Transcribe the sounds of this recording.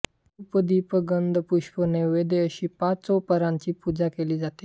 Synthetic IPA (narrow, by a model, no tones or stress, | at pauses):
upəd̪iːpəɡənd̪puɕpəneʋed̪eəɕiːpat͡sɔpəɾãɲt͡ɕiːpud͡zakeliːd͡zat̪e̥